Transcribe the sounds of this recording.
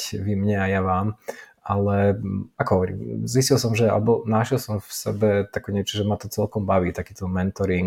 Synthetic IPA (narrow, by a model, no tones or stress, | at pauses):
ʋimɲɛajaʋaːm | alɛakɔɦɔʋɔɾḭːmziscilsɔmʒɛa̰lɛbɔnaʃɛlsɔmfsɛ̰bɛt̪akɛɲɪɛt͡ʃɔʒɛmat̪ɔt͡sɛlkɔmbaʋiːt̪akiːt̪ɔmɛnt̪ɔɾiŋ